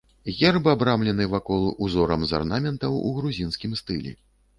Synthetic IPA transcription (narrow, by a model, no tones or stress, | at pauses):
ɣʲɛrbɨabɾamlʲɛnɨvakɔlˠʔuzɔɾɐmza̰rnamʲɛnt̪ɐwuɣɾuzʲinskʲimst̪ɨlʲɛ̰